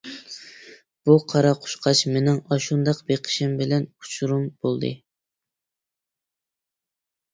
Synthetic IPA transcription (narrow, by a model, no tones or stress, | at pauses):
b̥uqʰɑɾɑqʰʊ̥ʃqʰɑt͡ʃmenɪŋɑʃund̪ɑqbeqʰə̥ʃɪmbɪlɛnu̥t͡ʃʰuɾumb̥olˠd̪ɨ̰